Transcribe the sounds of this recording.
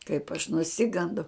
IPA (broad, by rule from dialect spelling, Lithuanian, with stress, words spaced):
kɐɪp ɐʃ nʊˈsʲɪɡɐndɐʊ